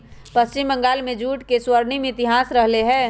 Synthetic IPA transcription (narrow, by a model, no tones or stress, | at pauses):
pɐst͡ʃɪmbə̃ŋɡaːlmẽd͡ʒuːʈkeswəɾnimẽɪt̪ɪɦaːsɾɐɦleɦɛ̃ː